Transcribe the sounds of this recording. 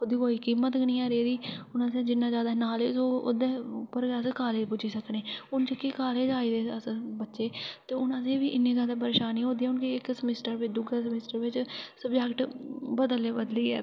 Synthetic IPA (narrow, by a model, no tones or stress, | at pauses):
ʊd̪iːkoːiːkiːmət̪ɡəɽĩːaːɾeːd̪iːʊnãːseːd͡ʒɪnːãːd͡ʒaːd̪aːnaːleːsoːo̰d̪ẽːpəɾɡaːskaːleːpʊd͡ʒiːsəkneːʊnt͡ʃəkeːkaːleːd͡ʒaːiːd̪eːəsbətːʃeːt̪eːʊnãːseːʋiːʔɪnːẽːzaːd̪aːpəɾeːʃaːnioːd̪iːɛʊnkiɪksəmɪsʈəɾʋɪt͡ʃd̪ʊɡaːsəmɪsʈəɾʋɪt͡ʃsəbd͡ʒɛkʈbəd̪əleːbəd̪liːɛː